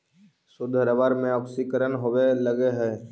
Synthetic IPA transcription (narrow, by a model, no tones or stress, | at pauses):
sʊd̪ʱəɾəʋaɾmẽəbsikəɾənɦoweləɡeɦɛː